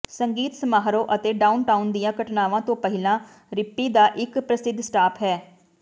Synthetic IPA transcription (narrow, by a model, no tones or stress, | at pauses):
səŋɡiːt̪səmaːɦɾõːʔət̪eːɖaːunʈaːʊnd̪ijãːkəʈnaːʋãːt̪õːpəɦɪlãː | ɾɪpːiːd̪aːʔɪkpɾəsɪd̪ːsʈaːpɦɛː